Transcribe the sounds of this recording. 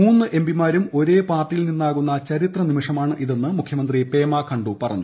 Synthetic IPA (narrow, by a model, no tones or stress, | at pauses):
uːnːɨʔe̞mbimaːɾumo̞ɾe̞ːpaːrʈːilninːaːɣunːɐt͡ɕɐɾit̪rɐnimiʂɐmaːɳɨʔiðe̞nːɨmukʰjɐmɐnd̪ripe̞ːmaːkʰɐɳɖupɐrɐ̰ɲːu